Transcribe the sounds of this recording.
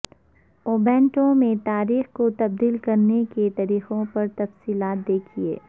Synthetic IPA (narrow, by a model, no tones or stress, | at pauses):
oːbɛ̃ːɳʈõmẽt̪aːɾiːxkot̪ɐb̚d̪iːlkɐɾneket̪ɐɾiːqõpɐɾt̪ɐfsiːlaːt̪̚d̪eːkʰiḛː